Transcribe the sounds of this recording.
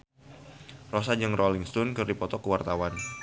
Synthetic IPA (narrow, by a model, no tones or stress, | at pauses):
rosad͡ʒəŋrʔoliŋst̪ɔnkɨrdipɔt̪ɔkəwart̪awan